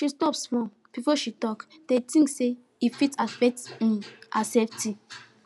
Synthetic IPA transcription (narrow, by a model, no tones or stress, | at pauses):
ʃistɔpsfɹɔ̃m | b̥ifɔʃitɔk | d̥etĩŋkse | ifitafɛtĩasɛftʰi